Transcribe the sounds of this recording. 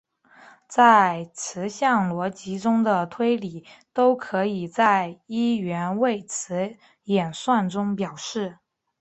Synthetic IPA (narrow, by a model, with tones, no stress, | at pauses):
t͡sa˥˩ɪt͡sʰɹ̩˧˥ɕjɑ˥˩ŋlwɔ˧˥t͡ɕi˧˥ʈ͡ʂʊ˥ŋd̪ə˨t̪ʰwe˥ɪli˨˩t̪o˥ʊkʰɤ˧˥i˨˩t͡sa˥˩ɪi˥ɥɛ˧˥nwe˥˩ɪt͡sʰɹ̩˧˥ | jɛ˨˩nswa˥˩nʈ͡ʂʊ˥ŋpjɑ˨˩ʊʂɻ̩˥˩